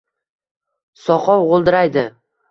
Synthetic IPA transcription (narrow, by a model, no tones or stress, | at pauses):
sɒqʰɒwʁolˠd̪ɪɾajd̪ɪ